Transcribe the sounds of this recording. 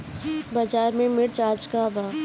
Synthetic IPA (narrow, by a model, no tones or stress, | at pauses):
bad͡ʒaːɾmẽmɪɽt͡ʃaːd͡ʒkabaː